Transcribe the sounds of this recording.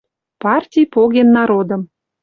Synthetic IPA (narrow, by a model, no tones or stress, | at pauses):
pɑrtʲijpoɣenːɑɾod̪ə̆m